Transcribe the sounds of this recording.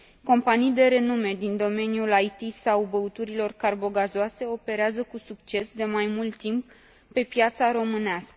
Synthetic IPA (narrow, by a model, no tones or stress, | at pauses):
ko̞mpanijd̪e̞ɾe̞nume̞d̪ind̪o̞me̞njulajt̪isawbəut̪uɾilo̞rkarbo̞ɡazoase̞o̞pe̞ɾeazəkusukt͡ʃe̞sd̪e̞majmult̪ːimp̚ː | e̞pjat̪saɾo̞mɨneaskə